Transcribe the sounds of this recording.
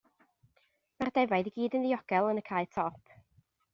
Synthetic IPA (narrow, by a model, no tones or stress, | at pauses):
mardɛvajðiɡiːdənðijɔɡ̥ɛlˠənəkʰaɨtʰɔpʰ